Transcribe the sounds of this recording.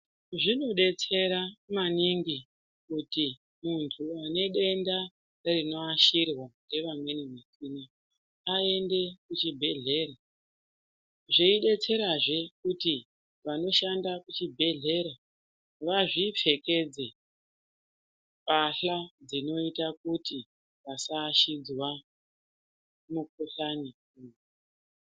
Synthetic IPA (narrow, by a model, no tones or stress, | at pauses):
ʐino̞ɗe̞t͡se̞ɾamaniŋɡi | kuti | muntʰuane̞ɗe̞nda | rino̞aʃirwande̞ʋamwe̞nimesiːna | ae̞nde̞kut͡ʃibʱe̞ɮe̞ːɾa | ʐeiɗe̞t͡se̞ɾaʐe̞kuti | ʋano̞ʃandakut͡ʃibʱe̞ɮe̞ɾa | ʋaʐip͡fe̞ke̞d͡ze̞ | paɬad͡zino̞itakuti | ʋasaʃid͡zwa | mukuɬanikunu